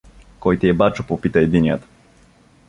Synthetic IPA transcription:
kɔjt̪iɛbat͡ʃopopit̪aɛd̪inja̰t̪

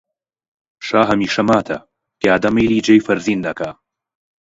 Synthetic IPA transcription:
ʃaːɦɐmiːʃɐmaːt̪ʰɐ̰ | keaːd̪ɐmɐjliːd͡ʒɐjfɐɾziːnd̪ɐkaː

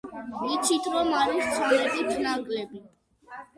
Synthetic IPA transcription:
nit̪t͡ʃʰit̪ʰɾɔmaɾist̪sʰɔlɛbip̪ʰnaɡlɛbi

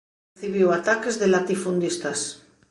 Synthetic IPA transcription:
θiβiwat̪akezðelat̪ifund̪ist̪as

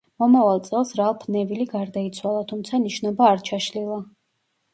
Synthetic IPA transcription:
mɔmavalˠt̪sʼɛlˠsɾalˠpʰnɛviliɡaɾd̪ait̪sʰwalˠat̪ʰumt̪sʰaniʃnɔbaːɾt͡ʃʰaʃlilˠa

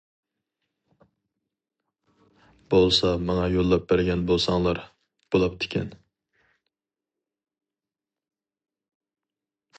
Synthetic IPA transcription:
bolˠsɑmɑŋɑjolˠːɑp̚bæɾɡʲɛnbolˠsɑŋlˠɑɾ | b̥olˠɑp̚t̪ʰɪ̥kʲʰɛ̰n

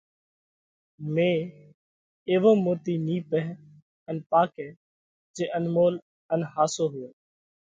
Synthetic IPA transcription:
mẽː | eːʋoːmoːt̪iːniːpɛː | ənpaːkeː | d͡ʒeːʔənmoːl | ənhaːsoːɦʊeː

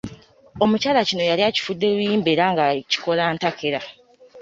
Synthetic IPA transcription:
o̞mucaːlacino̞jaliaci̥fudːewuiːmbeɾaŋɡaci̥ko̞laːntakʰeɾa

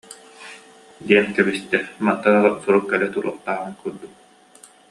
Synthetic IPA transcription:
d̪iɛnkɛbist̪ɛmat̪ːaɾaʁasuɾukːɛlɛt̪uɾuɔ̰χt̪aːʁɯnkuɾd̪uk̚

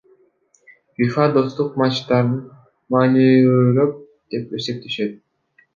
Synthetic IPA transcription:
bifɑd̪o̞st̪uqmɑt͡ʃt̪ɑɾɯn | mɑːniøɾøp̚ | d̪̥e̞pøse̞k̚t̪ʰeʃet̪̚

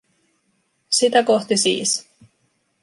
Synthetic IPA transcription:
sit̪æko̞ht̪isḭːs

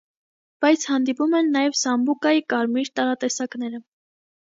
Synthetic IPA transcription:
b̥ɑjt͡sʰhɑnd̪ipumɛnːɑjɛvsɑmbukɑjikɑɾmiɾt̪ɑɾɑt̪ɛsɑknɛɾə

